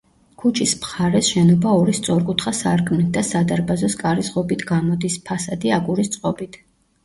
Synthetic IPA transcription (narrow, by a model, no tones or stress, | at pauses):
kʰut͡ʃʰismχaɾɛsʃɛnɔbaɔɾist̪sʼɔɾkʼut̪ʰχasaɾkʰmnit̪̚ʰd̪asad̪aɾbazɔskʼaɾizʁɔbit̪ʰɡamɔd̪ispʰasad̪iaɡuɾist̪sʼqʼɔbit̪ʰ